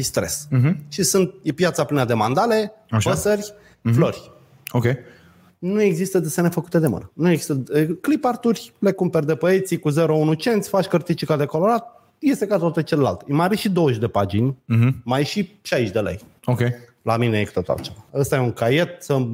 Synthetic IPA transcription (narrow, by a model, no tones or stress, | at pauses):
ist̪ɾe̞s̩ʃisunt̪̚jepjat̪saplinəd̪e̞mand̪ale̞ | opəsərʲ | florʲ | okʲej | nue̞ɡzist̪əd̪esenefəkut̪e̞d̪e̞mɨ̰nənueɡzist̪əklipart̪urʲle̞kumperd̪e̞pəet̪sikuze̞ɾo̞unut͡ʃe̞nt̪sʲfat͡ʃkərt̪it͡ʃikad̪e̞ko̞lo̞ɾat̪̚ | je̞st̪e̞kat̪oat̪et͡ʃe̞lela̰lt̪emabiʃid̪o̞əʃd̪e̞pad͡ʒinʲmajʃiʃaiʃd̪e̞lḛj | okʲej | lamine̞jekut̪ot̪a̰lt͡ʃe̞vaəst̪ajeuŋkaje̞t̪̚sə